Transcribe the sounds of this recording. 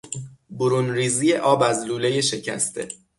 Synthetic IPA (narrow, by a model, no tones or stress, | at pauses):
boɾunɾiːzije̞ʔɒːbæzluːle̞je̞ʃe̞cʰæ̰st̪ʰe̞̰